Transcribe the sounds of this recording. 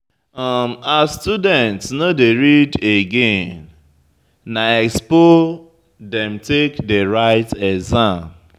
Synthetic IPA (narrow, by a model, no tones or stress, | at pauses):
ɔmastudɛ̃ntsnodeɹideɡẽnː | aɛkspo | dɛ̃mtekdeɹaɪtɛzãm